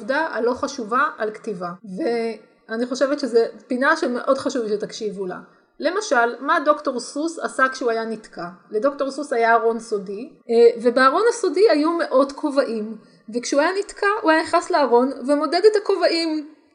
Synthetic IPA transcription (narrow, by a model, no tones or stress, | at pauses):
vdaa̰lo̞χaʃuvaalktivave | aniχo̞ʃevet̪ʃezepinaʃemeʔo̞dχaʃuvʃetakʃivula̰ | le̞maʃalmado̞kto̞ʁsusa̰sakʃeuajanitkʰaledo̞kto̞ʁsusajaːʁo̞nso̞divebeaʁo̞nhaso̞diajume̞ʔo̞dkʰo̞vaʔim | vekʃeuajanitkauajaniχnasleaʁo̞nvemo̞dedetako̞vaʔim